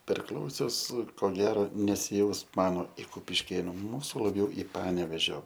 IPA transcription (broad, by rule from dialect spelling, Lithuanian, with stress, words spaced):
pʲɛrˈklˠɐʊsʲʊs koː ˈɡʲæːroː nʲɛsʲɪˈjɛʊs ˈmɑːnoː ɪr kʊpʲɪʃʲˈkʲeːnʊ ˈmuːsʊ lˠɐˈbʲjɛʊ ɪ ˈpɑːnʲɛʋʲeːʒʲoː